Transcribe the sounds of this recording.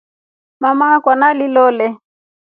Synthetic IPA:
mamakwanalilɔlɛ

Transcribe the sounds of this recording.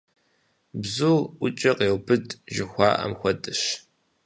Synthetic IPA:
bzuʊt͡ʃʼɐqeːwbɨdʒɪxʷɑ̰ːʔɐ̰mxʷɐtʼɨʃ

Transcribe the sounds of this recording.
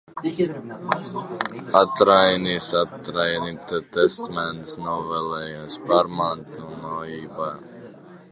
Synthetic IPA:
at̪ɾajniːsat̪ɾajniːt̪ɛt̪ɛst̪mɛnt̪snɔvɛlɛjuspaɾmant̪unɔjiːba

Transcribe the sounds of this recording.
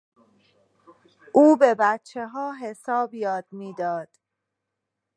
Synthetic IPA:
ʔuːbe̞bæt̪t͡ʃʰːe̞ɦɒːɦe̞sɒːbjɒːd̪̥̚miːd̪ɒːd̪̥

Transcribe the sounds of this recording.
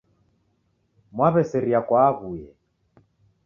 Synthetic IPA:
mwaβɛsɛɾiakwaɣujɛ

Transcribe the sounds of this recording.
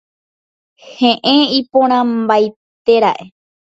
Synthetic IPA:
hẽʔẽipõɾ̃ãmbaj | t̪e̞ɾaʔe̞

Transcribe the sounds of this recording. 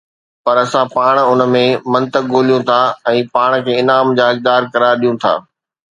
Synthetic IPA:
pɐɾɐsãpaːɽ̃ʊnə̆mẽmɐ̃nt̪ək̚ːoːlijũt̪ʰaɛ̃ːpaːɽ̃kʰeːɪnaːmd͡ʑaːɦɐk̚d̪aːɾkɐɾaːɾɗijũt̪ʰa̰ː

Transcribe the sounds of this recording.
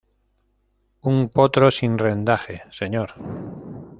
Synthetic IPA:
uŋpot̪ɾo̞sinre̞nd̪axese̞ɲoɾ

